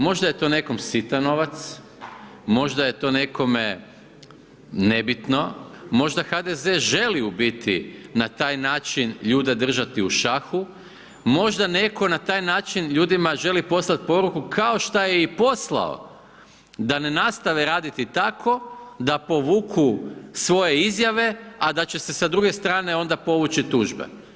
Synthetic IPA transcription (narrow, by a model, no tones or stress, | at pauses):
mo̞ʒd̪aje̞t̪o̞ne̞ko̞msit̪ano̞ʋat̪s | mo̞ʒd̪aje̞t̪o̞ːne̞ko̞me | ne̞bit̪no̞mo̞ʒd̪axad̪ezeʒe̞liubit̪ḭnat̪aːjnaːt͡ʃinʎuːd̪e̞d̪r̩ʒat̪iuʃaxu | mo̞ʒd̪ane̞kʰo̞nat̪aːjnaːt͡ʃinʎuːd̪imaʒe̞lipo̞slat̪̚po̞ɾukukʰao̞ʃt̪ajeipo̞sla̰o̰ | d̪ane̞nast̪aʋeɾaːd̪it̪it̪akʰo̞d̪apo̞ʋuːkʰusʋo̞je̞izjaʋe̞ad̪at͡ɕe̞se̞sad̪ɾuɡe̞st̪ɾaːne̞o̞nd̪apo̞ʋut͡ʃit̪uːʒbḛ